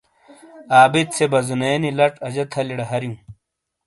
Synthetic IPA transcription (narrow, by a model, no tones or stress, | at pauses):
aːbit̪̚t͡sʰebɐzuneːnilɐʈɐd͡ʑɐt̪ʰɐliɽɐɦɐɾjũː